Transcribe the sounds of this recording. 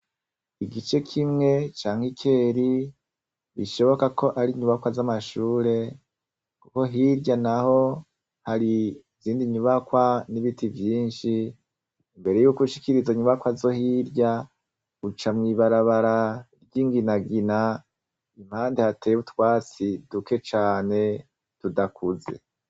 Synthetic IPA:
iɡit͡ʃe̞kʰimŋe̞t͡ʃaːŋhikʰe̞ɾi | βḭʃo̞βo̞kakʰo̞ʔaɾiɲuβakwazamaʃuːɾe̞ | kuko̞ɦiɾɟanaho̞ | haɾi | ziːndiɲuβakwaniβitivjiːnʃiː | mbe̞ɾe̞juːkuʃi̥kiɾizaiɲuβakwazo̞hiɾɟa | ut͡ʃamŋiβaɾaβaɾaɾɟiːŋɡinaɡina | im̥haːndehateβutwaːt͡siduke̞t͡ʃaːne̞ | tudakʰuze̞̰

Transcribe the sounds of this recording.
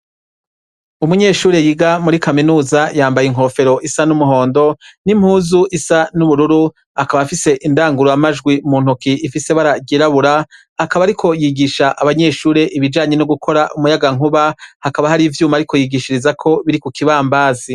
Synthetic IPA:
umuɲe̞ːʃuːɾe̞jiɡamuɾikaminuːzajaːmbajiŋ̥ɦo̞fe̞ɾo̞ʔisanumuɦo̞ːndo̞nim̥huːzuʔisanuβuɾuɾu | akaβafise̞ʔindaːŋɡuɾoamaʒɡwimuːn̥ukiʔːfise̞βaɾaɟiɾaβuɾaː | kaβaːɾikʰo̞jiɡiʃaʔaβaɲe̞ːʃuːɾe̞ʔiβid͡ʒaːɲe̞noɡukʰo̞ɾaʔumujaɡaŋuβahakaβaɦaɾiːvjuːmaːɾikʰo̞jiɡiʃiɾizakʰo̞βiɾikukʰiβaːmbaːzi

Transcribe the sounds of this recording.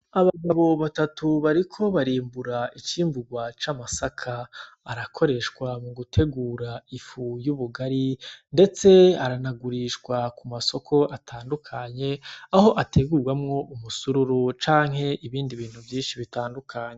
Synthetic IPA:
aβaɡaβo̞βatatʰuβaɾikʰo̞βaɾiːmbuɾait͡ʃiːmbuɡwat͡ʃamasakʰaː | ɾakʰo̞ɾe̞ʃkwamuɡutʰe̞ɡuːɾaifujuβuɡaɾinde̞t͡se̞aɾanaɡuɾiʃɡwakumaso̞kʰo̞ʔatʰaːndukʰaɲe̞aho̞ʔatʰe̞ɡuɾɡwamŋo̞ʔumusuɾuɾut͡ʃaːŋ̥he̞ʔiβiːndiβiːn̥huvjiːnʃiβitaːndukʰaːɲe

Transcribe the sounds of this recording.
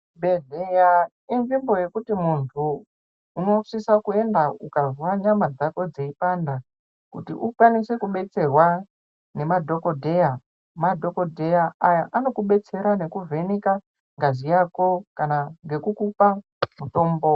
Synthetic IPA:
bedeja | ind͡ʒimbo̞je̞kutimuntʰuː | no̞ʂisakue̞ndaukazwaɲamad͡zako̞d͡zeipanda | kutḭʔukwanise̞kuɓe̞t͡se̞rwa | ne̞madʱo̞kodʱe̞ja | madʱo̞ko̞dʱe̞jaajaʔano̞kuɓe̞t͡se̞ɾane̞kuvʱe̞nika | ŋɡazijako̞kanaŋɡe̞kukupa | muto̞ːmbo

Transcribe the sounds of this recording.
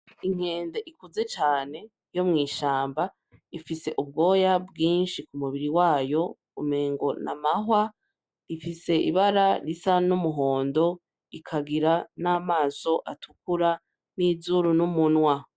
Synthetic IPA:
iŋ̥e̞ːndeʔikuze̞t͡ʃaːne̞ | jo̞mŋiːʃaːmba | ifise̞ʔubɡo̞ːjabɡiːnʃikumuβiɾiwaːjo̞ | ṵmeːŋɡo̞na̰maɦwa | ɾifise̞ḭβaɾaɾisanumuɦo̞ːndo̞ | ikʰaɡiɾanaːmaːso̞ʔatʰukuɾa | niːzuɾunumunwa

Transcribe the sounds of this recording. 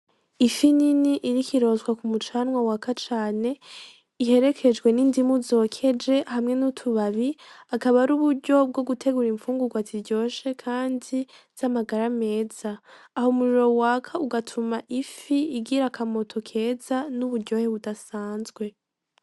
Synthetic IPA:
ifininiʔiɾikʰiɾo̞ːzwakumut͡ʃaːnŋwawakat͡ʃaːne̞ | iɦe̞ɾe̞kʰe̞d͡ʒɡwe̞nindimuzo̞ːkʰe̞d͡ʒe̞hamŋe̞nutʰuβaβiakaβaɾuːβuɾɟo̞b̚ɡo̞ɡutʰe̞ɡuɾiɱfuːŋɡuɡwaziɾɟo̞ːʃe̞kʰaːndi | z̥amaɡaɾame̞ːz̥aː | homuɾiɾo̞wakʰauɡatʰumaʔifiiɡiɾakʰamo̞tʰo̞kʰe̞ːzanuβuɾɟo̞heβudasaːnzɡwe̞

